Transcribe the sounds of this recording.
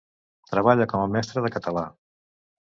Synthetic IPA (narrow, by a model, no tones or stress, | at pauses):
t̪ɾəβ̞aʎəkɔməmɛst̪ɾəðəkət̪əla